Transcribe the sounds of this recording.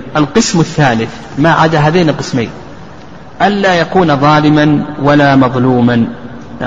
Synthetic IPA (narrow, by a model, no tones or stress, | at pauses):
ʔalqɨsmɪθːaːlɪθ | maʕa̰d̪aɦaːðeːnɪlqɨsmḛːn | ʔanlaːjakuːnaðˤɑːlɪmanwalaːmɑðˤluːman